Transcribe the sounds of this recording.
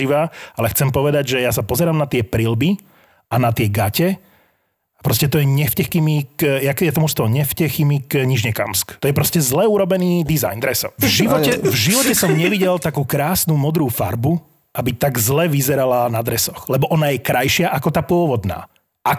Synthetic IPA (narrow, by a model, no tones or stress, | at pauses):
iʋaːalɛxt͡sɛmpɔʋɛd̪aɟʒɛjas̬apɔzɛɾaːmnat̪ɪɛpɾilbi | anat̪ɪɛɡacɛ | apɾɔscɛt̪ɔjɛɲɛfcɛximikjakjɛt̪ɔmuʃst̪ɔɦɔɲɛfcɛximikɲiʒɲɛka̰mskt̪ɔjɛpɾɔscɛzlɛuɾɔbɛniːd̪iza̰jnd̪ɾɛsɔ̰vʒiʋɔɛvʒiʋɔcɛsɔmɲɛʋiɟɛlt̪akuːkɾaːsnumɔd̪ɾuːfaɾbu | ʔabit̪aɡzlɛʋizɛɾalanad̪ɾɛsɔxlɛbɔʔɔnajɛkɾajʃɪaʔakɔt̪aːpʊɔʋɔd̪na̰ː | ʔa